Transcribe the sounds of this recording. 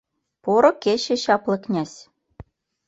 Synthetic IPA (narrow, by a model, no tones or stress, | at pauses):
poɾŏket͡ɕĕɕɑplɤ̆knʲæsʲ